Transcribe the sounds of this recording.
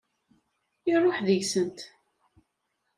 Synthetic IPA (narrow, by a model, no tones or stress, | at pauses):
irˤːoħðjsənt̪